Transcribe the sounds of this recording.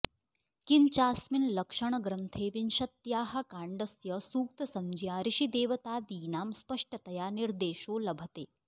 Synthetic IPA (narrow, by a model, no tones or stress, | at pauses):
kint͡ʃaːsminlɐkʂɐɳ̃ɐɡɾɐnt̪ʰeːʋinʃɐt̪jaːɦɐ̆kaːɳɖɐsjɐsuːk̚t̪ɐsɐmd͡ʒijaːɾiʃid̪eːʋɐt̪aːd̪iːnaːmspɐʂʈɐt̪ɐjaːniɾd̪eːʃoːlɐbʱɐt̪eː